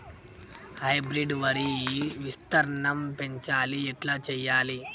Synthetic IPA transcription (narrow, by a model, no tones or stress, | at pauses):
hɐjbɾiɖʋɐɾiʋist̪ɐɾɐɳɐmpeɲt͡ʃaːliɛʈlaːt͡ʃɛːjaːli